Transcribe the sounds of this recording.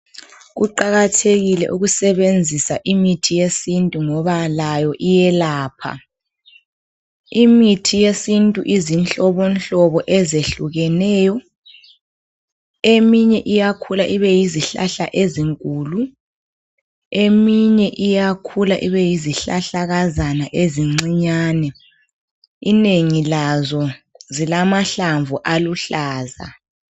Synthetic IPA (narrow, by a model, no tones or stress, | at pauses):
ɣuǃaɣatʰeɣilɛ̰ʔuɣusɛβend͡zʱisaʔimitʰijesintʼuŋɔβalajɔʔijɛlaːpʰa̰ | imitʰijesintʼuʔizint͡ɬʼɔβɔnɬɔβɔʔɛzeɬuɣɛnɛːjɔ | emiɲɛʔijakʰulaʔiβɛjiziɬa̰ɬa̰ʔeziŋkʼuːlu | emiɲɛʔijakʰulaʔiβɛjiziɬaɬaɣazanaʔeziŋ͡ǀiɲaːnɛ | ineŋilazɔzilamaɬaɱvuʔaluɬaːza̰